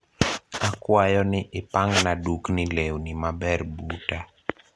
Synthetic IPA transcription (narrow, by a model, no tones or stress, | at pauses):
akwajɔnɪʔɪpaŋnaduknɪlewnimabɛrbuta